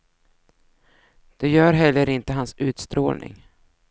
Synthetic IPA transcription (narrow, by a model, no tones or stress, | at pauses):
d̪̥ɛjœːɾɦɛlːəɾɪnt̪əɦansʉ̟ːt̪st̪ɾo̰ːlnɪ̰ŋ